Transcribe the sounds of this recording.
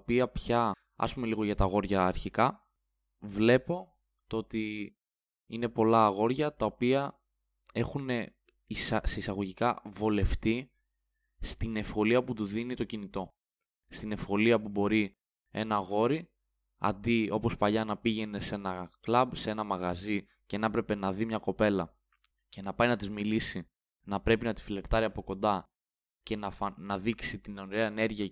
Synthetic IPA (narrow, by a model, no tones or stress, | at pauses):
piɐpçɐ | ɐ̰spume̞liɣo̞ʝɐt̪ɐɣo̞ɾʝɐːɾçikɐ | vle̞po̞ | t̪oo̞t̪i | ine̞po̞lɐɣo̞ɾʝɐt̪ɐo̞piɐ | e̞xune̞ | isseisɐɣo̞ʝikɐvole̞ft̪i | st̪ine̞fxo̞liɐput̪uðinit̪o̞cinit̪o̞ | st̪ine̞fxo̞liɐpubo̞ɾi | e̞̰nɐɣo̞ɾi | ɐ̰nd̪io̞po̞spɐʎɐnɐpiʝe̞ne̞se̞nɐklɐbsee̞nɐmɐɣɐzi | cenɐepɾe̞pe̞nɐðimɲɐko̞pe̞lɐ | ce̞nɐpɐjnɐt̪izmilisi | nɐpɾe̞pinɐt̪i̥file̞ɾt̪ɐɾiɐpo̞ko̞nd̪ɐ | ce̞nɐfɐnɐðiksit̪inonɾeɐene̞ɾʝiɐ